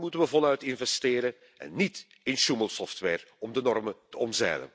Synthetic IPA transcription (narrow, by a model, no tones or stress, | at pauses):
mutənʋəvɔlœɥtɪnvɛstɪːɾə | ɛ̰nːit | ɪnʃuməlˠsɔftʋɛːrɔmdənɔrmətəɔmzɛ̰ːlə̰n